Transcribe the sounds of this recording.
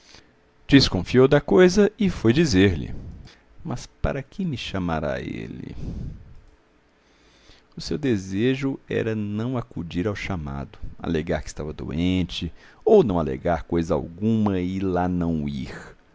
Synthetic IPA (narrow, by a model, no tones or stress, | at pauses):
d͡ʒiskõfiowd̪ɐkojzɐɪfojd͡ʒizeɾlɪ̰ | mɐspa̰ɾɐkɪmɪʃamaɾa̰ḛlɪ̰ | ʊsewd̪ezeʒʊɛ̰ɾɐnɐ̃w̃akud͡ʒiɾawʃama̰d̪ʊa̰leɡaɾkɪ̥st̪avɐd̪o̰ẽt͡ʃɪownɐ̃w̃alḛɡaɾkojzɐa̰wɡũmɐɪlanɐ̃w̃ḭɾ